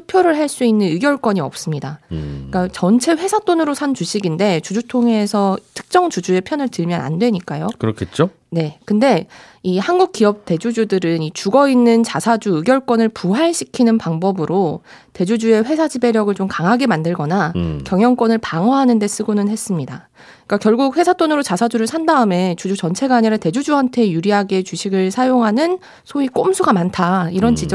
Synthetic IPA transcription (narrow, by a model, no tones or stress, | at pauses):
upʰjʌɾɯɭɦaɭs͈uinːɯnɯɡjʌɭk͈wʌɲiʌp̚s͈ɯmɲidak͈at͡ɕʌnt͡ɕʰe̞ɸwe̞sʰat͈onɯɾosʰant͡ɕuɕʰiɡinde̞t͡ɕud͡ʑutʰoŋe̞sʰʌtʰɯ̥k̚t͡ɕ͈ʌŋt͡ɕud͡ʑue̞pʰjʌnɯɭtɯɭmjʌna̰ndwe̞ɲik͈ajokɯɾʌkʰet͡ɕ͈o | ne̞kɯnde̞ | ihanɡuk̚k͈ijʌp̚t͈e̞d͡ʑud͡ʑudɯɾɯnit͡ɕuɡʌinːɯnt͡ɕasʰad͡ʑuɯɡjʌɭk͈wʌnɯɭpuɦaɭɕʰikʰinɯnpaŋbʌbɯɾote̞d͡ʑud͡ʑue̞ɸwe̞sʰad͡ʑibe̞ɾjʌɡɯɭt͡ɕomkaŋɦaɡe̞mandɯɭɡʌnakjʌŋjʌŋk͈wʌnɯɭpaŋʌɦanɯnde̞s͈ɯɡonɯnɦe̞s͈ɯmɲida̰ | k͈akjʌɭɡuk̚ɸwe̞sʰat͈onɯɾot͡ɕasʰad͡ʑuɾɯɭsʰandaɯme̞t͡ɕud͡ʑut͡ɕʌnt͡ɕʰe̞ɡaɲiɾete̞d͡ʑud͡ʑuɦantʰe̞juɾiɦaɡe̞t͡ɕuɕʰiɡɯɭsʰajoŋɦanɯn | sʰoik͈omsʰuɡamantʰaiɾʌnt͡ɕid͡ʑʌ